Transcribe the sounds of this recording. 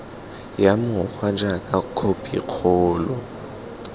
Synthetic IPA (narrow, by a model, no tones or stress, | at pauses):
jamʊk͡xwad͡ʒakʼakʰopʼḭq͡χʰɔːlɔ